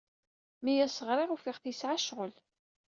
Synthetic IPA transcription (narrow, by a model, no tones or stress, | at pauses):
mijæsəʁɾˤɪʁufɪʁθisʕaʃʁəl